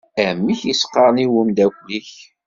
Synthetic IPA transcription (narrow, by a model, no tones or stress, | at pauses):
æmːiçisqːɑɾˤniwəmd̪ækʷliç